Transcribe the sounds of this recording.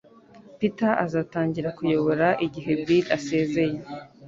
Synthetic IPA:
pitaʔazaːtaːɲɟiɾakujo̞βo̞ɾaʔiɟiɦe̞bilase̞ːze̞je

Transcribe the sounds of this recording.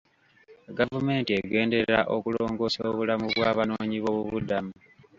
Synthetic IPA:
ɡavume̞ːntieɡe̞ːnde̞ɾɾa̰ʔo̞kulo̞ːŋɡo̞ːsoβulamuβwaːβano̞ːɲiβo̞βuβudamu

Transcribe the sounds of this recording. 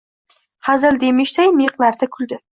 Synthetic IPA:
hazald̪e̞mɪʃt̪ajmeqlaɾd̪akʰʊld̪ɪ

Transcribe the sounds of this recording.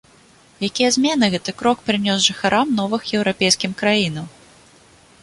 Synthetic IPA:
jakʲijɐzʲmʲɛnɨɣɛt̪ɨkɾɔkpɾɨnʲɔsʐɨxaɾʔamnɔvɨxjɛwɾapʲejskʲimkɾajinɐw

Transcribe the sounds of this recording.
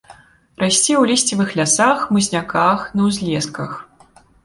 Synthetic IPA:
ɾasʲt͡sʲiwlʲisʲt͡sʲivɨxlʲasaxmɨzʲnʲakaxnɐwzʲlʲɛskɐx

